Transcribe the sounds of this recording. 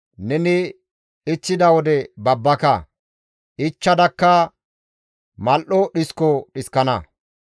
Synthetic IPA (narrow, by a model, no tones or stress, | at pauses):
nɛnɪ | ɪt͡ʃːɪd̪ɐwɔd̪ɛbɐbːɐkɐ | ʔɪt͡ʃːɐd̪ɐkːɐ | mɐlʔɔɗɪskɔɗɪskɐnɐ